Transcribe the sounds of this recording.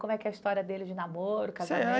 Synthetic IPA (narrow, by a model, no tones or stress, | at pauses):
kõmʊɛkɛɐist̪ɔɾiɐd̪elɪd͡ʒɪnamoɾʊkazaa